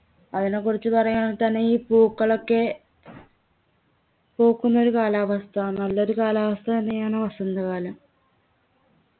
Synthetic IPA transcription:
ɐðine̞kːurit͡ɕːupɐrɐjaːt̪ɐnːeiːpuːkːɐɭo̞kːe̞ | po̞ːkːunːɐo̞ɾukaːlaːʋɐst̪ʰɐaːɳɨnɐlːɐo̞ɾukaːlaːʋɐst̪ʰɐɐnːejaːɳɨʋɐsɐnd̪ɐkaːlɐm

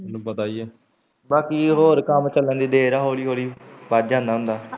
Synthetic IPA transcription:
nũbət̪aːiɛː | baːkiːɦoːɾkəmt͡ʃəlːə̃nd̪iːd̪eːɾaːɦoːɽiːɦoːɽiːʋaːd͡ʒãːnd̪aːɦʊ̃nd̪aː

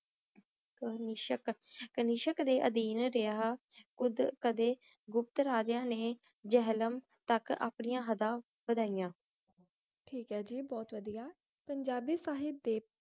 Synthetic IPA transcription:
kəniːʃəkkəniːʃəkd̪eːʔəd̪iːnɾeaː | kʊd̪kəd̪eː | ɡʊp̚t̪ɾaːd͡ʒjãːneː | d͡ʒɛɦləm | t̪əka̰ːpnɪjãːɦəd̪ãː | bəd̪aːijãː | ʈʰiːkɦɛːd͡ʒiːbɔːt̪ʋəd̪ijaː | pəɲd͡ʒaːbiːsaːɦɪb̚d̪eː

